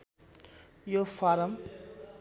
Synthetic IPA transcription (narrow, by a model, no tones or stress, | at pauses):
jofaɾɐm